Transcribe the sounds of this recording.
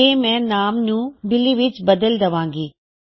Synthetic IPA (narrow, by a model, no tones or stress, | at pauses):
emɛ̃ːnaːmɲũːbɪliʋɪt͡ʃbɐd̪əld̪ɐʋãːŋɡiː